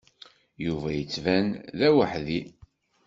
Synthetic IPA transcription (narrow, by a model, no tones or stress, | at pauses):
juvæjət͡sːvænðæwəħði